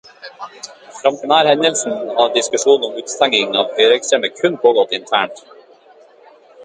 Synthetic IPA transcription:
fɾɑmt̪ɪmæːɾhɛnəlsn̩ɑːɖɪskʉʂuːnn̩ɔmʉːt̪st̪æŋɪŋɑːʋhœːɾɛkst̪ɾɛməkʰʉnpʰoːɡɔt̪ɪnt̪ʰæːɳʈ

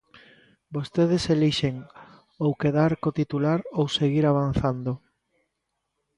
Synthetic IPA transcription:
bost̪eð̞eseliʃeŋ | owkeðaɾkot̪it̪ulaɾowseɣiɾaβ̞anθand̪o

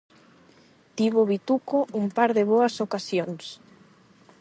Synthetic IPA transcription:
t̪iβoβit̪ukoʔumpaɾðɪβoɐsokasjoŋs

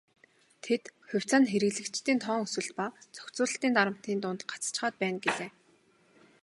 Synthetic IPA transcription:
t̪ʰet̪xʊ̟w̥ʲt͡saːnxeɾɘ̆ɣɮɘ̆kt͡ɕt̪iːnt̪ʰɔːŋɵsɘ̆ɬt̪̚pat͡sɔ̥kt͡sʊːɮə̆ɬt̪iːnt̪aɾə̆m̥t̪iːnt̪ʊːnt̪ɢḁt͡st͡ɕ̆χaːt̪̚pæːnɡeɮeː

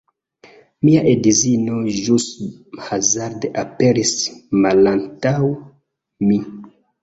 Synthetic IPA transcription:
miaʔedizinoʒus | hazaɾdape̞ɾismalantaw | mi

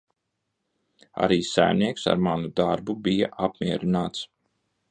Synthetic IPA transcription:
a̰ɾiːsæ̰jniɛksa̰ɾmanud̪aɾbubija̰ʔapmʲiɛɾinaːt̪s

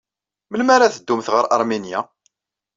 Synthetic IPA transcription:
məlmaɾaθəd̪ːumθʁəɾʔɑ̰ɾˤminja̰

